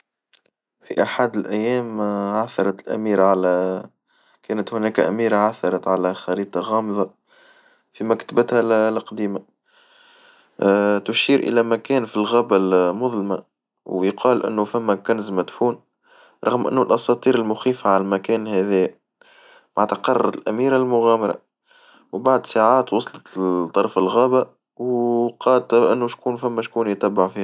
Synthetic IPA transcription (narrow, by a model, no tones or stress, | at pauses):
fḭʔaħaːd̪ɪlʔæjːɛːmʕaθːɑɾˤɑt̪əlʔæ̰miːɾʕalæ | kæːnət̪hʊnɛːkʔæ̰miːɾaʕaθːɑɾˤɑt̪ʕalæxɑɾiːt̪ˤɑɣɑːmðˤɑ | fimækt̪bɪt̪hælqd̪iːma | t̪ʊʃiːɾʔɪ̰læmækɛːnfilɣæːbalmʊðˤlma | wjqʰɑːlʔɪ̰nːʊfæmːækænzmæt̪fuːn | ɾˤɑ̰ɣmʔɪ̰nːʊlʔɑsˤɑːt̪ˤiːɾɪlmʊxiːfaʕalælmækæːnhæðiː | maʕt̪ɑqɑrˤːɑɾlʔæmiːɾalmʊɣæːmɑɾˤɑ̰ | wbaʕd̪saːʕaːt̪wɑsˤlɑt̪t̪ˤːɑɾˤfɪlɣæːba | wqɑːlt̪ʔɪnːʊʃkuːnfæmːæʃkuːnjt̪æbːaʕfiːh